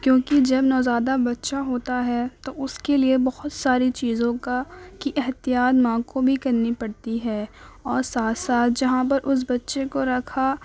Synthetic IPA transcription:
kjõːkid͡ʒɐbnɔːzaːd̪abɐtːʃaɦoːt̪aɦɛt̪oʊskeliebɐhʊt̪saːɾit͡ʃiːzõkakiʔɛɦt̪ijaːd̪mãːkobʱikɐɾnipɐɽt̪iɦɛː | ɔːɾsaːt̪ʰsaːt̪̚ʰd͡ʒɐɦãp̬ɐɾʔʊs̬bɐtːʃekoɾɐkʰa

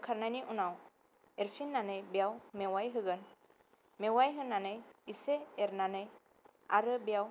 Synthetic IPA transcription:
kʰaɾnajniʔunaw | eɾpʰinːanɯjbijawmewajɦɯɡɯn | mewajɦɯnanɯjiseːɾnanɯj | aɾɯbijaw

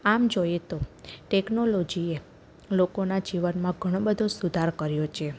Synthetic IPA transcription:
amd͡ʒojet̪oʈeknolod͡ʒie | lokonad͡ʒiʋənmãɡʱəɽ̃õbəd̪ʱosud̪ʱaɾkəɾjot͡ʃʰe

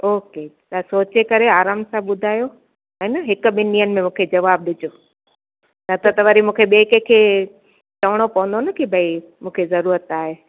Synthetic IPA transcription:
oːke | t̪asoːt͡ɕekɐɾeaːɾaːmsabɓʊd̪ʱaːjo | ɛ̃ːnɐɦɪkʊ̆ɓɪnijənɪ̆mẽmũːkʰed͡ʑɐʋaːb̚ɗɪd͡ʑoː | nɐt̪ʰot̪ɐʋɐɾimũːkʰeɓeːkekʰeː | t͡ɕɐʋəɽ̃opɐʋə̃nd̪onɐkibʱɐi | mũːkʰezɐɾuːɾət̪aːɦeː

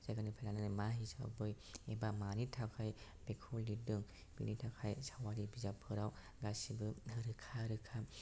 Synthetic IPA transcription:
z̥ajɡanɯpʰajlanɯnɯmaɦisa̰bɯj | ebamanitʰakʰaj | b̥ekʰɔldidɯŋ | b̥ḭnitʰakʰajsawaɾibizapʰɯɾaw | ɡasibɯɯɾɯkʰaɾɯkʰa

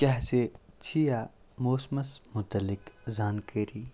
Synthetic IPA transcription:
kɛɦset͡ʃʰija | moːsmɐsmʊt̪əlɪkzaːnkeːɾiː

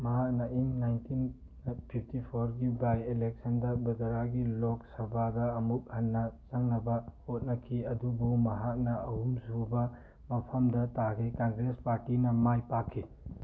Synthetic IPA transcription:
mɐɦak̚nɐʔiŋnajntʰin | pʰip̚ʰtipʰoɾɡibajelek̚sɐndɐbɐdɐɾaɡilok̚sɐbadɐːmuk̚hɐnːɐt͡ʃɐŋnɐbɐhot̚nɐkʰiɐdubumɐɦak̚nɐɐɦumsubɐ | mɐpʰɐmdɐtakʰikaŋɡɾespaɾtinɐmajpakʰːi

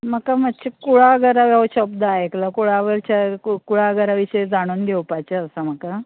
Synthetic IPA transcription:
məkamaɕekuɭaɡəɾaʋjəʋəɕək̚d̪əaeklakuɭaʋəɾt͡ɕakuɭaɡəɾaʋiɕəjed͡zaɽ̃uːnɡʱewpajt͡ɕeəsam̤əka

